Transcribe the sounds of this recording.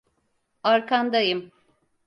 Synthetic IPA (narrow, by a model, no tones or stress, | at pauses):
aɾkʰand̪ajɯm